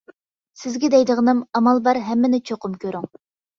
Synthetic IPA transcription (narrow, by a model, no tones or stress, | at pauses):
sɪzɡʲɛd̪ɛjd̪əʁənɨmɑmɑlˠbɑɾɦɛmːɪnɪt͡ʃʰoqʊmkʲʰøɾyŋ